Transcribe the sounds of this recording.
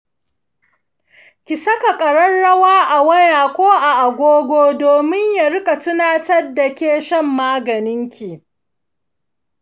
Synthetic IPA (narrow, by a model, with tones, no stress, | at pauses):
kʲɪ˨sɐ˦ka˨kʼɐ˨ɽɐ˦nːɐ˦waː˦ʔa˨wɐ˦jaː˨kʷoː˦ʔa˨ʔa˨ɡʷoː˦ɡʷoː˦doː˨mɪ˦ɲja˨ɾɪ˦kʼa˨tʊ˦naː˦tɐ˦rda˨kʲeː˦ʃɐ˦mːaː˦ɡɐ˨nɪ˦ŋkʲi˨